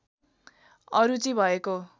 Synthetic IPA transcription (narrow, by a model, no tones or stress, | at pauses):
ʌɾut͡sʌĩbʱʌeko